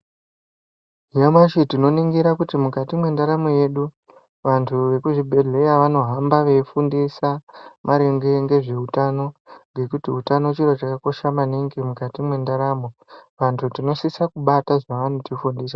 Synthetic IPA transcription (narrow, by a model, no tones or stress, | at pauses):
ɦijamaʃitino̞niŋɡiɾakutimukatimwe̞ndaɾamoje̞ɗu | ʋantʰuʋe̞kuʐibʱe̞ɮe̞jaʋano̞ɦambaʋe̞ifundisamʔaɾeŋɡe̞ŋɡe̞ʐe̞utano̞ŋɡe̞kutiutano̞t͡ʃiɾot͡ʃakako̞ʃamaniŋɡemukatimwe̞ndaɾaːmoʋantʰutino̞sisakuɓataʐaʋanotifundiːsa